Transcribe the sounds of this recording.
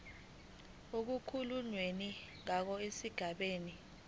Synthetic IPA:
ok̬ukʰuluɲweniŋak̬ɔesiɡ̥ʱaɓeːni

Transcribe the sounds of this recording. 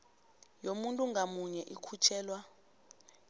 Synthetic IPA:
jomuntʼuŋɡʱamuɲɛʔikʰut͡ʃʰɛːlwa

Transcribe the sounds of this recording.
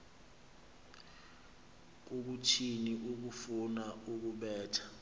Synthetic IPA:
uɓ̬utʰiniʔuk̬ufunauk̬uɓɛːtʰḁ

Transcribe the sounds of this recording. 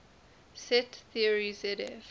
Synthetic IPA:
sɛtθiəɹizɛɾɛf

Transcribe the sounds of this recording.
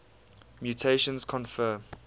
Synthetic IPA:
mjutʰeʃə̃nzkʰɔ̃nfɜːm

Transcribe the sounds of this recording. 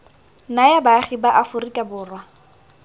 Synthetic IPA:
najabaχibaʔafʊrikʼabʊːrwa

